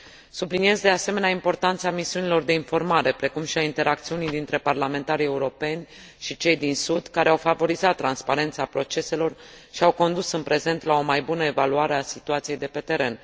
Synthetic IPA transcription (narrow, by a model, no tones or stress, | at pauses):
sublinije̞zd̪e̞ase̞me̞neaimpo̞rt̪ant̪səamisiunilo̞rd̪e̞info̞rmaɾe̞pɾe̞kumʃiaint̪e̞ɾakt̪siunijd̪int̪ɾe̞parlame̞nt̪aɾie̞uɾo̞pe̞nʲ | ʃit͡ʃe̞jd̪insud̪kaɾe̞awfavo̞ɾizat̪ːɾanspaɾe̞nt̪sapɾo̞t͡ʃe̞se̞lo̞r | ʃiawko̞nd̪usɨnpɾe̞ze̞nt̪lao̞majbunəe̞valuaɾe̞asit̪uat̪sije̞jd̪e̞pe̞t̪e̞ɾe̞n